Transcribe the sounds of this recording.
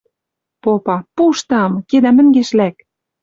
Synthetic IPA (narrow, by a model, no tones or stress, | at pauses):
popɑpuʃt̪ɑmked̪æmɘ̆ŋɡeʃlæk